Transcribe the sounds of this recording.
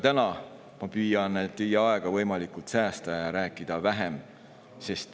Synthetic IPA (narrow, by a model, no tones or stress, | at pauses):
t̪ænɑ | mɑpyːjɑnt̪ːijeɑe̞ɡ̥ɑvɤjmɑlikult̪sæːst̪ɑjɑɾæːkːˑid̪̥ɑvæɦe̞m | se̞st̪